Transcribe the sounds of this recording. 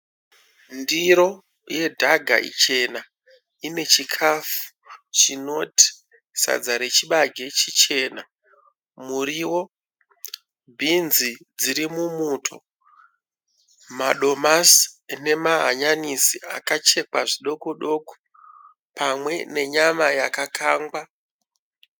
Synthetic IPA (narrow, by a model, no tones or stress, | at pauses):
ndiɾo̞ | je̞dʱaɡʱa̰ʔḭt͡ʃe̞na | ine̞t͡ʃikʰafu̥ | t͡ʃino̞ti̥ | sa̰d͡zaɾe̞t͡ʃiɓaɡʱe̞t͡ʃit͡ʃe̞ːna | muɾiwo̞ | bʱinzid͡ziɾimumutʰo̞ | maɗo̞masne̞maɦaɲanisiʔakat͡ʃe̞kwaʐiɗo̞koɗo̞ko̥ | pamwe̞ne̞ɲamajakakʰaːŋɡwa